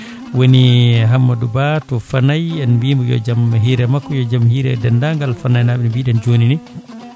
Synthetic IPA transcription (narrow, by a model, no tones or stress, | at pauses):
woniɦamːadubatɔfanajɛnmbiːmbujɔ̰d͡ʒamɦiːɾɛmakːɔjɔd͡ʒamhiːɾɛ̰dɛndaŋɡalfanajnaɓɛnmbiːɗɛnd͡ʒonini